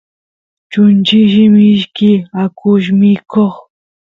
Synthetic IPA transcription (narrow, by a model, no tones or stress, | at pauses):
t͡ʃʊnt͡ʃɪʃɪmɪʃkɪakʊʃ̬mɪkoχ